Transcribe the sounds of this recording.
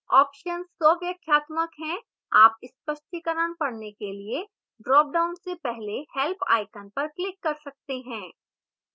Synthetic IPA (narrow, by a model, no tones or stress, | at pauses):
ɔːpʃənsːɔːʋjəkʰjaːt̪məkɦɛ̃ | aːpɪspəʃʈ̪ikəɾənpɐɽnekelie | ɖɾɔːp̚ɖaːʊnsepɛɦlehɛlpʰa̰ːɪkənpɐɾklɪkːɐɾsɐk̚t̪eɦɛ̃ː